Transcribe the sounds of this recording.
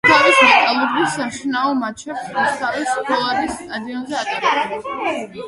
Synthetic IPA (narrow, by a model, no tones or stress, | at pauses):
t̪ʰavismɛk̪ʼalˠuɾɡisamʃinaɔmat͡ʃʰɛpsusaviskʰɔlˠaɾist̪ʼad̪iɔnzɛat̪ʼaɾɛbɛs